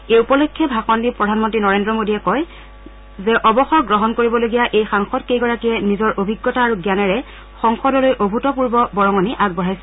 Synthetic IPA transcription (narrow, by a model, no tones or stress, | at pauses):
eupɔlokʰːɛbʱakɔndipɹɔdʱanmɔntɹinɔɹendɹɔmodiɛkɔj | zɛʔɔbɔxɔɹɡɹɔɦɔnkoɹibɔloɡijaʔejxaŋxɔtkejɡɔɹakiɛnizɔɹʔobʱiɡːɔtaːɹuɡjanɛɹɛ | xɔŋxɔdɔlojʔobʱutɔpuɹbɔbɔɹɔŋɔniʔaɡ̚bɔɹajsɛ